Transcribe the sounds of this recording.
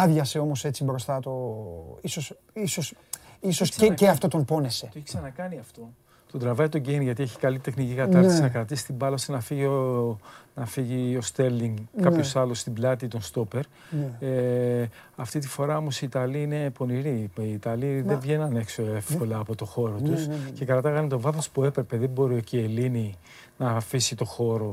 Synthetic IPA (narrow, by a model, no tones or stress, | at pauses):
ɐðʝɐse̞o̞mo̞se̞t͡sibɾo̞st̪ɐt̪o̞iso̞s | iso̞sisoseeɐft̪o̞t̪ompo̞ne̞se̞t̪oeçksɐnɐkɐniɐft̪o̞ | t̪od̪ɾɐvɐit̪o̞ɟenʝɐt̪ie̞çi̥kɐlit̪exnicikɐt̪ɐɾt̪issinɐkɾɐt̪isi̥st̪ibɐlosinɐfiʝio | nɐfiʝio̞st̪eɾliŋɡkːɐpçosɐlust̪iblɐt̪it̪o̞nst̪o̞pe̞ɾ | e | ɐft̪it̪̬ifo̞ɾɐo̞mo̞siːt̪ɐliine̞po̞niɾiiːt̪ɐliðevʝe̞nɐne̞kso̞efko̞lɐːpo̞t̪o̞xo̞ɾo̞t̪usce̞kɐɾɐt̪ɐɣɐnt̪ovɐθospue̞pɾe̞peðembo̞ɾiocielini | nɐfisit̪o̞xo̞ɾo̞